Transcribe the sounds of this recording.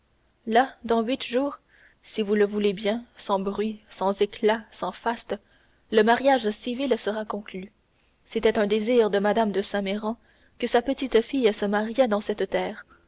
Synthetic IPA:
lad̪ɑ̃ɥit̪ʒuːʁ | sivuləvulebjɛ̃sɑ̃bʁɥisɑ̃zeklasɑ̃fast̪ | ləmaʁjaʒsivilsəʁakɔ̃kly | set̪ɛt̪ɛ̃d̪eziːʁd̪əmad̪amd̪əsɛ̃meʁɑ̃ | kəsapət̪it̪fijsəmaʁjɛd̪ɑ̃sɛt̪t̪ɛːʁ

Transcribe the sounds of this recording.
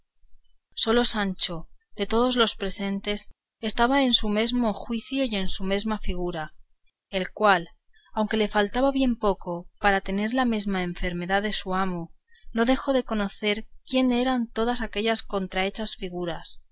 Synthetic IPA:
so̞lo̞sant͡ʃoð̥e̞t̪o̞ð̞o̞zlo̞spɾe̞se̞nt̪e̞s | est̪aβ̞aensume̞zmo̞xwiθjoije̞nsume̞zmafiɣuɾa | e̞lkwal | awŋke̞le̞falt̪aβaβje̞mpo̞ko̞paɾat̪e̞ne̞ɾlame̞zmaeɱfe̞ɾme̞ðaðe̞suamo | no̞ðe̞xo̞ðe̞ko̞no̞θe̞ɾkje̞ne̞ɾant̪o̞ð̞asake̞ʎasko̞nt̪ɾae̞t͡ʃasfiɣ̞uɾas

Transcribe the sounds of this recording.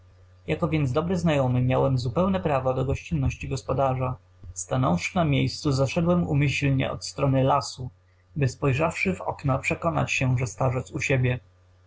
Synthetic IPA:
jakɔvʲjɛnd̪zd̪ɔbɾɘznajɔmɘmʲjawɛmzupɛwnɛpɾavɔd̪ɔɡɔɕt͡ɕinːɔɕt͡ɕiɡɔspɔd̪aʐa | st̪anɔwfʂɘnamʲjejst̪suzaʂɛd̪wɛmṵmɘɕlɲɛ̰ʔɔ̰t̪st̪ɾɔnɘlasu | bɘspɔjʐafʂɘvɔ̰knapʂɛkɔna̰t͡ɕɕɛʐɛst̪aʐɛt̪suɕebʲjɛ

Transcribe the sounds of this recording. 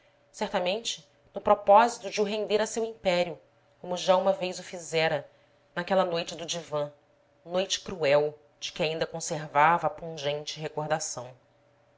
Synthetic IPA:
sɛɾt̪ɐmẽnt͡ʃɪ | nʊpɾɔpɔzit̪ʊd͡ʒɪʊɦẽnd̪eɾɐsewĩpɛɾiʊ | kõmʊʒaũmɐvejzʊfizɛɾɐ | nakɛlɐnojt͡ʃɪd̪ʊd͡ʒivɐ̃ | nojt͡ʃɪ̥kɾuɛw | d͡ʒɪkɪaĩnd̪ɐkõseɾvavɐːpũʒẽnt͡ʃɪɦekoɾd̪asɐ̃w̃

